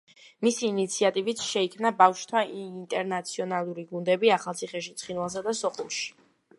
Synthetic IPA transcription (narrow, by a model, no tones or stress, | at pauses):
misiːnit̪sʰiat̪ʼivit̪sʃɛikʰmnabafʃt̪ʰaint̪ʼɛɾnat̪sʰiɔnalˠuɾiɡund̪ɛbiaχalˠt̪sʰiχɛʃit̪sʰχinwalˠs̬ad̪asɔχulˠʃi̥